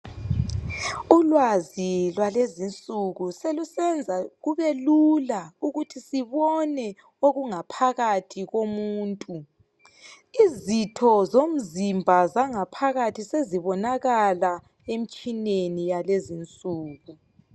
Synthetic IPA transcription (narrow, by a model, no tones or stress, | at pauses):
ulwazilwalezint͡sʼuɣuselusɛnd͡zʱaɣuβɛlulauɣutʰisiβɔnɛ | oɣuŋapʰaɣatʰiɣomuːntʼu | izitʰɔzom̩zimbʱazaŋapʰaɣatʰiseziβɔnaɣala | em̩t͡ʃʼinenijalezint͡sʼuːɣu